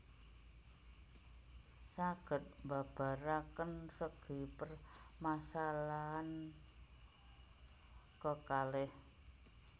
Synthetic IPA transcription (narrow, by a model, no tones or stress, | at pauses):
saɡ̥ə̤t̪̚mba̤b̥a̤ɾakənsəɡ̥i̤pərmasalaːn | kəkalɪh